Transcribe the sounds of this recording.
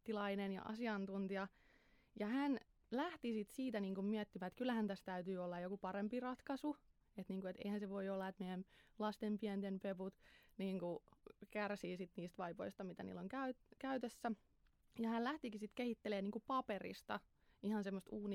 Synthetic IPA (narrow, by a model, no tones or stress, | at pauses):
t̪ːilɑinenjɑ̰ʔɑ̰siɑnt̪unt̪iɑ | jɑhæn | læht̪isit̪siːt̪æniːŋkummiæt̪ːiʋæt̪kylːæhænt̪æst̪æyt̪yːolːɑjokupɑrempirɑt̪kɑsu | et̪niːŋkuet̪ḛihænseʋoiolːɑet̪meæmlɑst̪empiænt̪enpeput̪niːŋkukærsiːsit̪niːst̪ʋɑipo̰ist̪ɑmit̪ænḭːlːoŋkæyt̪kæyt̪esːæ | jɑhællæht̪ikisit̪kehit̪ːeleːniːŋkupɑperḭst̪ɑ̰ | ihɑnsemːost̪uːni